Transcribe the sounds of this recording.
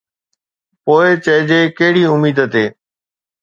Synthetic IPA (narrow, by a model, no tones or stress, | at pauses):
poːɪt͡ɕəɦd͡ʑeːkəɦɪɽiːʊmiːd̪ət̪eː